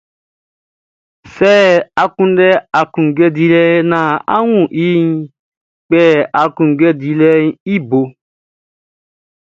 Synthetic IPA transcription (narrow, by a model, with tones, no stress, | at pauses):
sɛ˦˨a˨kũ˦ndɛ˦a˨kũ˨ɡɛ˦di˨˦lɛ˦nã˨a̰˦wũ˦˨ʔi˦n˦ | k͡pɛ˦a˨kũ˨ŋ˨ɡɛ˦di˧lɛ˦n˦i˦bo˨